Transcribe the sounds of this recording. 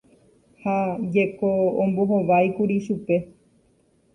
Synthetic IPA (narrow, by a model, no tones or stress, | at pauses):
had͡ʒekõːmboɦõʋajkuɾiʃupe̞